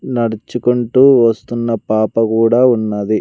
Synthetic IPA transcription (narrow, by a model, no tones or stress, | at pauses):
nɐɽɐt͡ʃukuɳʈuːʋɐst̪unːɐpaːpɐkuːɽaːunːad̪i